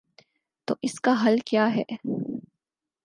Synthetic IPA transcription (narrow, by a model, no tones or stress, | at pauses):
t̪o̰ːʔɪskaɦɐlkjaːɦɛː